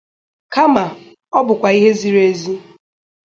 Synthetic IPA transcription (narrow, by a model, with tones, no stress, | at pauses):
ka˦ma˨ | ɔ˦bʊ˨kʷa˨i˦ɦe˦zi˨ɾe˦zi˦